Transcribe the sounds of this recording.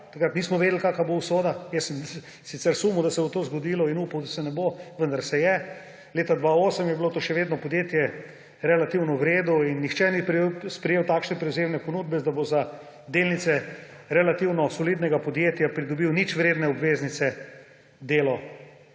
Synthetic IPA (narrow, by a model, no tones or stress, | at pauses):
t̪akɾat̪niːsmɔʋeːd̪lkaːkabousoːd̪ajɛsm | sit̪sɛɾsumud̪ɐsɛbot̪oːzɡod̪iːlɔinuːpawd̪ɐsɛnɛboʋənd̪aɾsɛjɛ | leːt̪ad̪ʋaoːsəmjɛbilot̪oʃɛʋeːd̪nɔpɔd̪jeːt̪jɛ | ɾɛlat̪iwnɔwɾeːd̪ɔinːixt͡ʃɛnipspɾɛjeːwt̪aːkʃnɛpɾɛwzemnɛponuːd̪̚bɛd̪aboza | d̪eːlnit̪sɛ | ɾɛlat̪iwnɔsɔliːd̪nɛɡapɔd̪jeːt̪japɾid̪ɔbiwnit͡ʃʋɾeːd̪nɛɔbʋeznit̪sɛ | d̪eːlɔ